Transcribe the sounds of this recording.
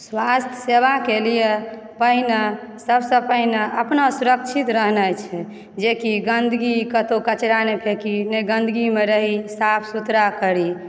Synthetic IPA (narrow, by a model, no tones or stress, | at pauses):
swast̪ʰjə̥sebakelije | pəɦine | səbsə̃pəɦineəpnasuɾək̚t͡ʃʰit̪ɾəɦnajt͡ʃʰɛ | d͡ʒekiɡənd̪ʱɡikət̪okət͡ʃɾanepʰekinɛɡənd̪ʱəɡimeɾəɦisapʰsut̪ɾakəɾi